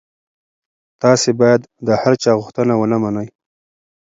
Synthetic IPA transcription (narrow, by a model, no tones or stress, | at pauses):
t̪ɑsebɑjad̪ːəhaɾt͡ʃɑɣʊxt̪ənawənamanəj